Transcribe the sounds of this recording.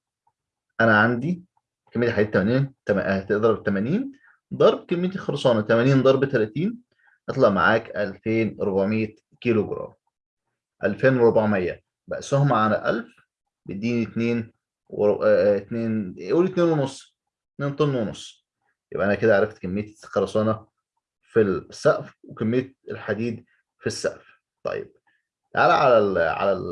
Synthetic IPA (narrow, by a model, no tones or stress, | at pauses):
ʔænæʕand̪i | kæmːet̪iħaɡæːt̪ːæmæniːnt̪æææt̪eʔd̪ɑɾˤɑbt̪ːæmæniːn | d̪ˤɑɾˤb̚kemːejt̪̬ixɑlsˤɑːnæt̪æmæniːnd̪ˤɑɾˤbt̪ælæt̪iːn | ʔɑt̪ˤlɑʔma̰ʕaːkʔælfeːnɾˤobaʕmejːæ | keloɡɾˤɑ̰ːm | ʔælfeːnweɾˤobaʕmæjːæ̰ | bæʔsohmaʕanæʔæ̰lf | bed̪iːnit̪neːn | wet̪neːnoːlit̪neːnwenosˤː | et̪neːnt̪ˤenːweno̰sˤː | jḛbʔænæked̪æʕaʕɾˤɑft̪kæmːejt̪sxɑɾˤɑsˤɑːnɑ | filsːæʔfwekæmːejːt̪̚elħad̪iːd̪ | fisːæ̰ʔf | t̪ˤɑ̰jːḛb̥̚ | ʕalæʕalælʕa̰læ̰l